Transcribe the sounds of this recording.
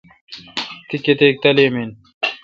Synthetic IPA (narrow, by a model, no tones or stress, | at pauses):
t̪iket̪eːk̚t̪ɐlimin